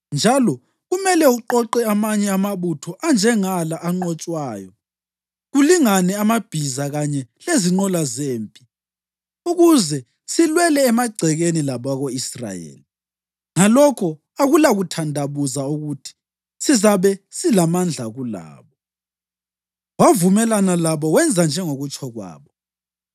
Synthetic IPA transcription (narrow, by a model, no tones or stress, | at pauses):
nd͡ʒʱalɔ | ɣumɛlɛuǃɔǃɛamaɲɛamaβutʰɔʔand͡ʒʱɛŋalaʔaŋ͡ǃɔt͡ʃʼwaːjɔ | ɣuliŋanɛamab̥ʱizaɣaɲɛleziŋ͡ǃɔlazeːmpʼi | uɣuzɛ | silwɛlɛːmaɡ͡ǀʱɛɣenilaβaɣoisra̰jḛːli | ŋalɔkʰɔ | aɣulaɣutʰandʱaβuzauɣutʰi̥ | sizaβɛsilamand͡ɮʱaɣula̰ːβɔ | wavumɛlanalaβɔwɛnd͡zʱand͡ʒʱɛŋoɣut͡ʃʼʰɔɣwa̰ːβɔ